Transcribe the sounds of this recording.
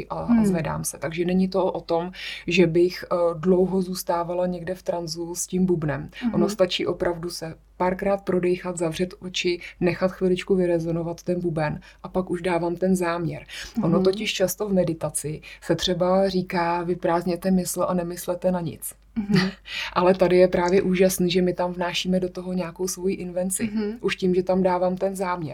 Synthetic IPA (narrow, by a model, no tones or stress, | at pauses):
ʔazvɛda̰ːmsɛ̥t̪aɡʒɛnɛɲɪt̪oʔot̪o̞mʒɛbɪxdlo̞wɦozuːst̪aːvalaɲɛɡdɛft̪ɾanzusciːmbubnɛmʔono̞st̪at͡ʃiːʔo̞pɾʔavdusɛ | paɾkɾaːt̪̚pɾo̞dɛjxat̪zavr̝̥ɛt̪ʔot͡ʃɪnɛxat̪xvɪlɪt͡ʃkuvɪɾɛzo̞novat̪ːɛnbubɛn | ʔapakuʒdaːvaːmt̪ɛnzaːmɲɛ̰ɾʔonot̪o̞cɪʃt͡ʃast̪o̞vmɛdɪt̪at͡sɪsɛt̪r̝̥ɛbar̝iːkaːvɪpɾaːzɲɛt̪ɛmɪsl̩ʔanɛmɪslɛt̪ɛnaɲɪ̰t͡s | ʔalɛt̪adɪjɛpɾaːvjɛʔuːʒasniʒɛmɪt̪amvnaːʃiːmɛdo̞t̪o̞ɦo̞ɲaːko̞wsvo̞jiʔɪnvɛnt͡sɪʔuʃciːmʒɛt̪amdaːvaːmt̪ɛnzaːmɲɛ̰ɾ